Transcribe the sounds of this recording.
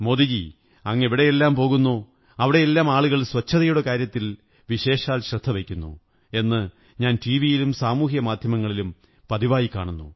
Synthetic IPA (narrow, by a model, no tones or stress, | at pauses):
mo̞ːd̪id͡ʑḭ | ɐŋːɐeʋiɽe̞jelːaːmpo̞ːɣunːoː | ɐʋiɽe̞jelːaːmaːɭuɣɐɭswɐt͡ɕʰːɐðɐjuɽekaːɾjɐt̪ːil | ʋiɕe̞ːɕaːlɕrɨd̪ʱːɐʋekʲːunːṵ | e̞nːɨ | ɲaːnʈiːʋijilumsaːmuːɦjɐmaːd̪ʱjɐmɐŋːɐɭilum | pɐðiʋaːjikːa̰ːɳunːṵ